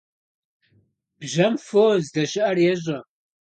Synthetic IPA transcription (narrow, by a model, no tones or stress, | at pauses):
b̥ʒɐmfoːzdɐɕɪʔɐrjɛʑʷɐ